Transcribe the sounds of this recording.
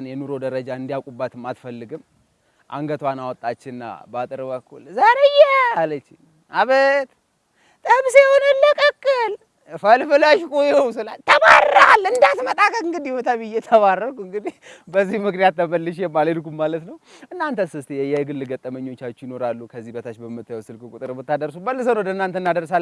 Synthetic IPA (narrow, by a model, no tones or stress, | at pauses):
njɛnuɾo̞d̪əɾəd͡ʒaɨnd̪ijakʼubːat̪ɨmat̪fəlːɨɡɨm | ʔa̰ŋɡət̪wanawɔt̪ʼːat͡ʃːɪnːa̰bat̪ʼɨɾɨbəkʰːulzaɾejɛalət͡ʃːɪ | aβət̪ | t̪ʼəmsewonɨlːəkʼəkʼːɨl | fəlfɨlaʃkʼujɛusɨla̰lt̪ʰəmarːalːɨnd̪at̪mət̪ʼakʼəɨŋɡɨd̪ihhot̪ʰaβɨjːet̪ʰəβarːəkʼɨŋɡɨd̪ihbəzːihmɨknijat̪ːəməlːɨʃ̬jɛmːaləd̪kummalət̪nəwʔɨnːant̪ʰəsɨst̪ʰjɛjajɛɡɨlːɨɡət̪ʼːəməɲːo̞t͡ʃːat͡ʃːɪjɪno̞ɾalːukʰəzːihbət̪ʰat͡ʃːbəmːɨt̪ːajɛwsɨlkʼɨkʼut̪ʼɨɾbɨt̪ːad̪əɾsubəlːɨs̬əwnəwd̪əɨnːant̪ʰənːad̪əɾs̬al